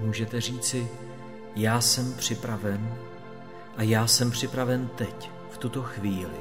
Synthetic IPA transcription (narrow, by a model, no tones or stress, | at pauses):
muːʒɛt̪ɛriːt͡sɪ | jaːsɛmpr̝̥ɪpɾavɛn | ʔajaːsɛmpr̝̥ɪpɾavɛnt̪ɛc | ft̪ut̪o̞xviːlɪ